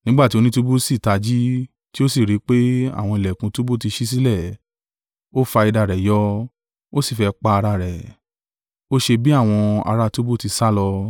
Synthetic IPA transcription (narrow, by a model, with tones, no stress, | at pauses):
nĩ˦ɡ͡ba˦˨ti˦o˧nĩ˦tu˦bu˦si˦˨ta˧d͡ʒi˦ | ti˦o˦si˦˨ɾi˨˦k͡pe˦a̰˦˨w̃ɔ̃˧i˨lɛ˨kũ˧tu˦bo˦ti˧ʃi˦s̬i˦lɛ˦˨ | o˦fa˧i˧da˧˨ɾɛ˨jɔ˦ | o˦si˦˨fɛ˧k͡pa˧a˧ɾa˧˨ɾɛ˨ | o˦ʃe˧bi˦a˦˨w̃ɔ̃˧a̰˧ɾa˦tu˦bo˦ti˧sa˦lɔ˧